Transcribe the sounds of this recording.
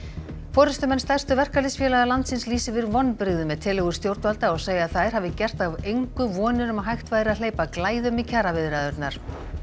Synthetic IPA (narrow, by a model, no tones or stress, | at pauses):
fɔːɾʏst̪ʏmɛnst̪ajr̥st̪ʏvɛr̥kalɪsfjɛːlaɣalant̪sɪnsliːsɪvɪɾvɔnːpɾɪɣðʏmɛðt̪ʰɪːlɛɣʏ̥st̪jowɾt̪nvalt̪aɔɣseːjaðθajɾ̥haːvɪcɛr̥t̪avejŋkʏvɔːnʏɾʏmaɦajxt̪vajðɾɪaðleːjpaklaːjðʏmicʰaːɾavɪðɾaðœɾt̪naɾ̥